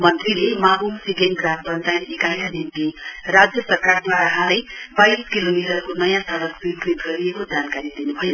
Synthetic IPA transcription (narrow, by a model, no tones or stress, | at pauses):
mʌnt̪rilemabumsiɡenɡrambʌnd̪ajekajnanimt̪irad͡zjʌsʌrkard̪waɾaɦãlejbajskilomiʈʌrkonʌjãsʌɾʌkbikrit̪ɡʌɾiekod͡zankaɾid̪inubʱʌjo